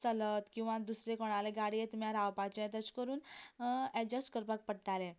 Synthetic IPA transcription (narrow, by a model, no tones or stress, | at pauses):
t͡sələt̪kĩw̃ʋãd̪usɾekɔɽ̃aleɡaɽijet̪mjãɾawpat͡ɕẽt̪ət͡skəɾuːn | ɛd͡ʑəsʈkəɾpak̚pəɽʈ̪ale